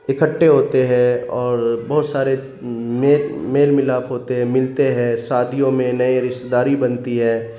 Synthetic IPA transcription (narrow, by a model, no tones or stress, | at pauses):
ɪkəʈːeɦoːt̪eɦɛ̃ɔːɾbɐɦʊt̪saːɾe | meːlmeːlmɪlaːpɦoːt̪eɦɛ̃mɪlt̪eɦɛ̃ːsaːd̪ʱijõmẽnɐeɾɪʃt̪d̪aːɾibɐnt̪iɦɛ̃ː